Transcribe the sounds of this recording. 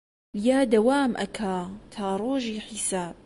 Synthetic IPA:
jaːd̪ɐwaːmʔɐ̰kʰaːt̪ʰaːɾˤoːʒiːħisaːb̚

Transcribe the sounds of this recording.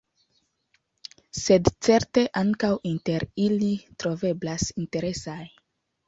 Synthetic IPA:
se̞dt͡se̞ɾte̞ʔaŋkawinte̞ɾilitɾo̞ve̞blasinte̞ɾe̞saj

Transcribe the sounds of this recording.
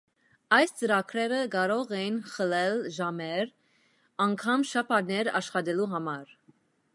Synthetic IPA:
ɑjst͡səɾɑkʰɾɛɾəɡɑɾɔʁɛjinχəlɛlʒɑmɛɾ | ɑŋkʰɑmʃɑpʰɑɾnɛɾɑ̰ʃχɑd̪ɛluɦɑmɑɾ

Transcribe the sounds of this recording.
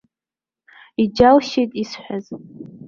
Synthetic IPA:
id͡ʒalʃejtʼisħʷᶣaz

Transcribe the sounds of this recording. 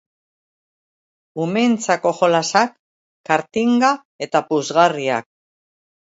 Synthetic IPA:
ume̞nt͡sako̞ʝo̞lasakː | aɾt̪iŋɡa | e̞t̪apuzɣaria̰k̚

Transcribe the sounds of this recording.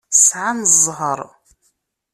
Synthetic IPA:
sʕanzʁɐr

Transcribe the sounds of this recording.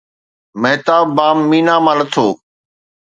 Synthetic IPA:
məɦt̪aːbːaːmːiːnãːmãːnət̪ʰoː

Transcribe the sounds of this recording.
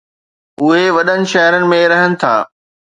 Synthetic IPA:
ʊɦeʋɐɗənɪ̆ʃɐɦɪɾənɪ̆mẽɾɐɦənɪ̆t̪ʰa̰ː

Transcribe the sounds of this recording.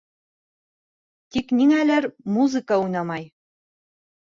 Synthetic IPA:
t̪ikniŋælæɾmuzɨkɑujnɑmɑj

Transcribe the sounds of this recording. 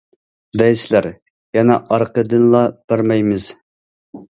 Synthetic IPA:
d̪ɛjslæɾ | jɛnɛʔɑɾqəd̪ɨnlˠɑb̥æɾmɛjmɨz̥

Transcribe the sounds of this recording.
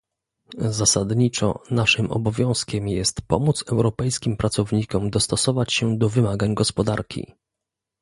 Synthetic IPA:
zasad̪ɲit͡ʂɔ̰naʂɘmʔɔ̰bɔvʲjɔ̃w̃skʲɛmjɛst̪pɔ̰mut̪sɛwɾɔpɛjskʲimpɾʔat̪sɔvɲikɔmd̪ɔst̪ɔsɔvat͡ɕɕɛd̪ɔvɘmaɡaɲɡɔspɔd̪aɾkʲḭ

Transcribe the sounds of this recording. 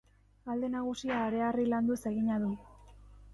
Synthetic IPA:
ald̪enaɣ̞usiaːɾe̞ariland̪uese̞ɣiɲaðu

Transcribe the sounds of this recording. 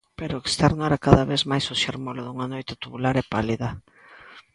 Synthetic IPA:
peɾoekst̪ɛɾnʊɛɾakaðaβezmajsoʃeɾmoloðuŋanojt̪at̪uβulaɾɛpaliðɐ

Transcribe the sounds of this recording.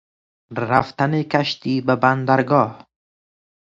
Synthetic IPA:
ɾaft̪anekaʃt̪iːbaband̪aɾɡɒːh

